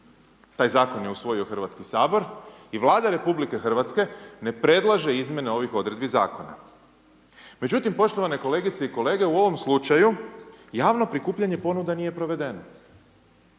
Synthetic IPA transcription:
t̪aːjzaːko̞nje̞usʋo̞jio̞xr̩ʋat̪kisaːbo̞ɾiʋlˠaːd̪aɾe̞publike̞xr̩ʋat̪ske̞ne̞pɾe̞d̪lˠaʒe̞izmʲje̞neo̞ʋixo̞d̪ɾe̞d̪biza̰ːko̞na̰ | me̞d͡ʑut̪impo̞ʃt̪oʋane̞ko̞le̞ɡit̪seiko̞le̞ːɡe̞uo̞ʋo̞mslut͡ʃajujaːʋno̞pɾikuːpʎaɲe̞po̞nud̪anije̞pɾo̞ʋe̞d̪e̞no

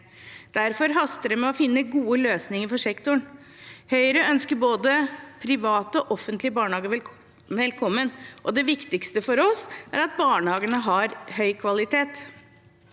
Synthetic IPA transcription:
d̪̥æɾfɔɾɦɑst̪əɾəmɛɔfɪnːəɡuːəløːsnɪŋəɾfɔʂɛkt̪ʊɳ | hœʏɾəœnskəɾboːd̪əpʰɾɪʋɑːt̪əɔʔɔfənt̪lɪəbɑːɳəhɑːɡə | ʋɛlkʰɔmːənʔɔd̪ɛʋɪkt̪ɪkst̪əfɔɾɔsæ̰ɾɑt̪bɑːɳəhɑːɡənəɦɑɾhœʏkʰʋɑlɪt̪ʰeːt̪

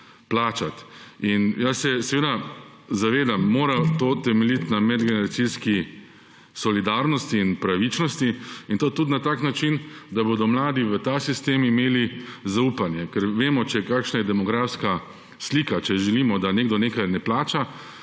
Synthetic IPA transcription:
plaːt͡ʃat̪injasːɛsɛʋeːd̪a | zaʋeːd̪amːoːɾat̪oːt̪ɛmɛlit̪namɛd̪ɡɛnɛɾat̪siski | sɔlid̪aɾnɔst̪iːnpɾaʋit͡ʃnɔst̪iint̪oːt̪ut̪nat̪aːknat͡ʃind̪abod̪ɔmlaːd̪iʋət̪aːsist̪eːmimeːlizaupanjɛkɛɾʋeːmɔt͡ʃɛkaːkʃnajɛd̪ɛmɔɡɾaːfska | slikat͡ʃɛʒɛliːmɔd̪aneːɡd̪ɔneːkajnɛplaːt͡ʃa

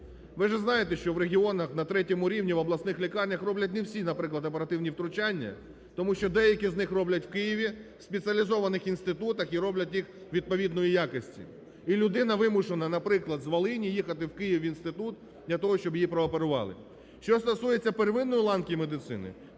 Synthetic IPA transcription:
ʋɪʒɛznɑjet̪eʃt͡ʃɔʋɾeɦʲiɔnɐxnɐt̪ɾɛtʲɔmʊɾʲiwnʲiʋɐblˠɐsnɪxlʲikɑrnʲɐxrɔblʲɐt̬̚ʲnewsʲinɐpɾɪklˠɐd̪ɐp̬eɾɐt̪ɪwnʲiwt̪ɾʊt͡ʃanʲːɐ̰ | t̪ɔmuʃt͡ʃɔd̪ɛjɐkʲiznɪxrɔblʲɐtʲw̥kɪjiʋʲiwspet͡sʲiɐlʲizɔʋɐnɪxinst̪ɪt̪ut̪ɐxiɾɔblʲɐtʲjixʋʲid̪̚pɔʋʲid̪nɔjijakɔsʲtʲḭ | ilʲʊd̪ɪnɐʋɪmʊʃenɐnɐpɾɪklˠɐd̪zʋɐlˠɪnʲijixɐt̪ɪwkɪjiʋʲinst̪ɪt̪ut̪ | d̪̥lʲɐt̪ɔɦɔʃt͡ʃɔbjipɾɔːpeɾʊʋɑ̰lˠɪ̰ | ʃt͡ʃɔst̪ɔsujet͡sʲːɐpeɾʋɪnːɔjlˠɑnkʲijimed̪ɪt̪sɪ̰nɪ̰

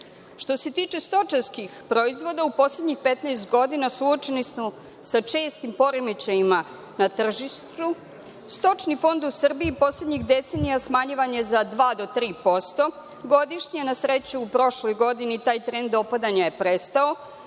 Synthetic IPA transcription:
ʃt̪o̞se̞t̪iːt͡ʃe̞st̪o̞t͡ʃanskixpɾoizʋo̞d̪aupo̞sle̞d̪ɲixpet̪naːst̪ɡo̞d̪inasuot͡ʃenismo | sat͡ʂeːst̪impo̞ɾemit͡ɕeima | nat̪r̩ʒiʃt̪u | st̪o̞t͡ʂnifo̞nd̪usr̩biːpo̞sled̪ɲixd̪et̪senijasmaɲiʋaɲezad̪ʋaːd̪o̞t̪ɾiːpo̞st̪o̞ | ɡo̞d̪iʃɲienasɾe̞t͡ɕuupɾo̞ʃlˠo̞jɡo̞d̪init̪aːjt̪ɾend̪o̞pad̪aɲaje̞pɾest̪ao

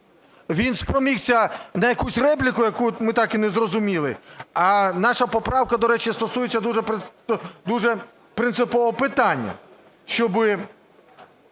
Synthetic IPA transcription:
ʋʲinspɾɔmʲiwsʲɐnɐjɐkusʲrɛp̬lʲikʊjɐkumɪt̪ɑkinɛzrɔzʊmʲilˠɪɐnɑʃɐpɔpɾɑwkɐd̪ɔɾɛt͡ʃɪst̪ɔsujet͡sʲːɐd̪uʒɛp | d̪uʒɛ | pɾɪnt̪sɪpɔʋɔɔpɪt̪ɑnʲːɐ̰ | ʃt͡ʃɔbɪ

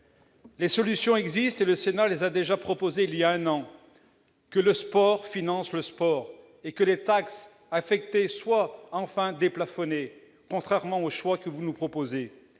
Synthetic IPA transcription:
lesɔlysjɔ̃ɛɡzist̪eləsenalezad̪eʒapχɔpozeiljaɛ̃nɑ̃ | kələspɔʁfinɑ̃sləspɔːʁ | ekəlet̪aks | afɛk̚t̪eswaɑ̃fɛ̃d̪eplafɔne | kɔ̃t̪χɛʁmɑ̃oʃwakəvunupχɔpoze

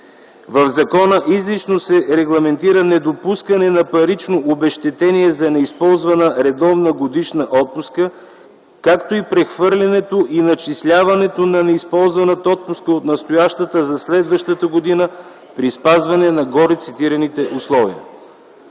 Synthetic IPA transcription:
vəvzɐkɔnəʔizlit͡ʃnosɛɾɛɡlˠɐmɛnt̪iɾənɛd̪opuskɐnɛnɐpɐɾit͡ʃnoʔobɛʃt̪ɛt̪ɛniɛzɐnɛispɔlˠzvɐnəɾɛd̪ɔvnəɡod̪iʃnəʔɔt̪̚puskə | kakt̪oipɾɛxvɤɾlʲɛnɛt̪oʔinɐt͡ʃislʲavɐnɛt̪onɐnɛispɔlˠzvɐnət̪əɔt̪̚puskəot̪nɐst̪ojaʃt̪ət̪əzɐslɛd̪vəʃt̪ət̪əɡod̪inə | pɾispazvɐnɛnɐɡɔɾit̪sit̪iɾɐnit̪ɛʔuslˠɔvḭə̰

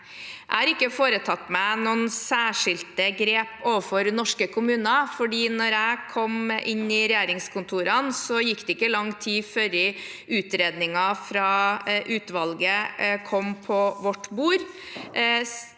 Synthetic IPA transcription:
ʔæ̰ɪhɑɾɪkːəfoːɾət̪ʰɑt̪ːmænunsæːʂɪlt̪əɡɾeːpoːʋəfɔɾnɔʂkəkʰʊmʉːnɑfɔɖiːnɔɾæɪkʰɔmʔɪnːɪɾɛjeːɾɪŋskʰʊnt̪ʰuːɾɑnsɔjɪkːd̪ɛɪkːəlɑŋt̪ʰiːføɾɪʉːt̪ɾeːd̪nɪŋɑfɾɑːʔʉːt̪ʋɑlɡəkʰɔmpʰɔʋɔʈːbuːɾ

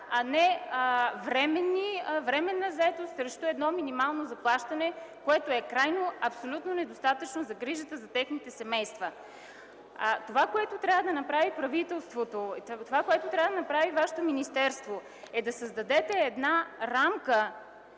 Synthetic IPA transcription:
ɐnɛ | vɾɛmɛnːivɾɛmɛnːəzɐɛt̪ost̪sɾɛʃt̪oɛd̪nɔminimalˠnozɐplˠaʃt̪ɐnɛkoɛt̪oɛkɾajnoɐpsolʲut̪nonɛd̪ost̪at̪ət͡ʃnozɐɡɾiʒət̪əzɐt̪ɛxnit̪ɛsɛmɛjst̪və | t̪ovakoɛt̪ot̪ɾʲavəd̪ɐnɐpɾavipɾɐvit̪ɛlˠst̪vot̪ot̪ovakoɛt̪ot̪ɾʲavəd̪ɐənɐpɾavivaʃɛ̥t̪ominist̪ɛɾst̪vo | ɛd̪ɐsəzd̪ɐd̪ɛt̪ɛːd̪naɾamkə

